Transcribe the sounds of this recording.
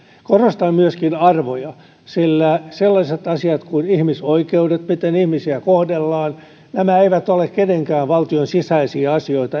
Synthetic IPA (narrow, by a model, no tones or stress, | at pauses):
korost̪ɑmmyøskinɑrʋojɑ | silːæselːɑset̪ɑsiɑt̪kunihmisoikeudet̪mit̪enihmisiækohdelːɑːn | næmæeiʋæt̪olekkeneŋkæːʋʋɑlt̪ionsisæisiæɑsioit̪ɑ